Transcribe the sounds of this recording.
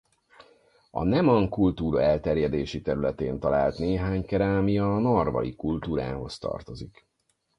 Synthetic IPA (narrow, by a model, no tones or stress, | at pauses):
ɒ̰nɛmɒŋkult̪uːɾɒɛlt̪ɛrjɛd̪eːʃit̪ɛɾylɛt̪eːnt̪ɒlaːlt̪neːɦaːɲkɛɾaːmijɒnɒrvɒ̰jikult̪uːɾa̰ːɦo̞st̪ɒ̰rt̪o̞zik